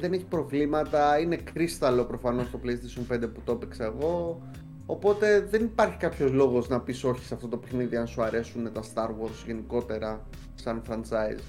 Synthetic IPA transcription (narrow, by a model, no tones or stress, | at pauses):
ðe̞ne̞çi̥pɾo̞vlimɐt̪ɐine̞kɾist̪ɐlo̞pɾo̞fɐno̞st̪o̞plejist̪esio̞npend̪eput̪opikseɣo̞ː | opo̞t̪e̞ðe̞nipɐɾçi̥kɐpço̞zlo̞ɣo̞znɐpiso̞çi̥sɐft̪o̞t̪o̞pe̞xniðiɐnsuɐɾe̞sunet̪ɐst̪ɐɾɣo̞ɾsʝe̞niko̞t̪e̞ɾɐ | sɐnfɾɐnt͡sɐiz